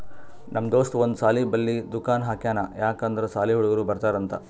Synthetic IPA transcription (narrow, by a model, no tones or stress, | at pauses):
nɐmːɐd̪oːʂʈuond̪usaːlibɐlːid̪ukaːnɦaːkjaːnajaːkand̪ɐɾɐsaːliɦuɽɐɡɐɾuːbɐɾt̪aːɾɐnt̪ɐ̰